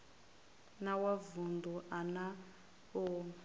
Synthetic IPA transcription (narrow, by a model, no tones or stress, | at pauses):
nawavund̪uʔana | o